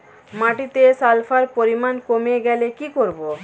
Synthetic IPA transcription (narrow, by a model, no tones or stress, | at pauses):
maʈit̪esalfʰaɾpoɾimankomeɡɛlekikoɾbo